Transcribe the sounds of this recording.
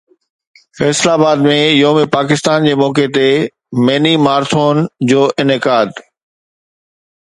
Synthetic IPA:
fɛːslaːbaːd̪mẽjoːmẽpaːkɪst̪aːnd͡ʑeːmɔːket̪e | meːnimaːɾt̪ʰoːnd͡ʑoːʔɪnɪkaːd̪

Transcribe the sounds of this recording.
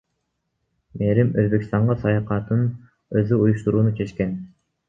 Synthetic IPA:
meɾimøzbekst̪ɑɴʁɑsɑjɑqɑt̪ɯn | øðyujuʃt̪uɾuːnut͡ʃʰet͡ʃken

